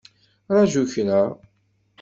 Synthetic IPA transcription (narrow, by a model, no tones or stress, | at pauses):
ɾˤɑʒuçnə